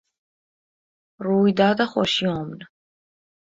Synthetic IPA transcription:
ɾuid̪aːd̪aχɔ̰ʃiɔmn

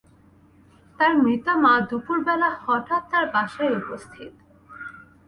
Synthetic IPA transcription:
t̪aɾmɾit̪amad̪upuɾbɛlahɔʈat̚t̪ːaɾbaʃajupost̪ʰit̪

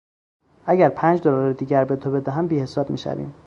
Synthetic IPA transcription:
ʔæɟæɾpʰæːnd͡ʒd̪olɒɾed̪iːɟæɾbe̞t̪ʰobe̞d̪æɦæmbiːhe̞sɒːb̥mḭːʃæ̰vḭːm

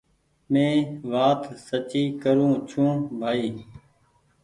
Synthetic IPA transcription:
mẽːʋaːt̪sət͡ʃiːkəɾũːt͡ʃʰũːbʱaːiː

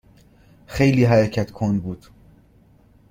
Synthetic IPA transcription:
xe̞jliːɦæɾecʰæt̪kʰond̪buːd̪̥

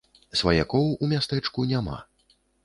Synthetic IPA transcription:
svaja̰kɔwumʲast̪ɛt͡ʂkunʲama̰

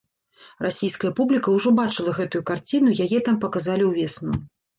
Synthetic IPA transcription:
rasʲijskɐjɐpublʲikɐwʐɔbat͡ʂɨlˠɐɣɛt̪ujukart͡sʲinujajɛt̪ampɐkazalʲiwvʲɛsnuj

